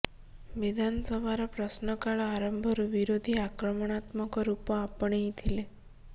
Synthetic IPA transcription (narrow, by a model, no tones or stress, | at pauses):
ʋid̪ʱansəbʱaɾɔpɾəsnɔkaɭɔaɾəmbʱɔɾuʋiɾod̪ʱiakɾɔmɔɽ̃at̪mɔkɔɾupɔapəɳ̃it̪ʰile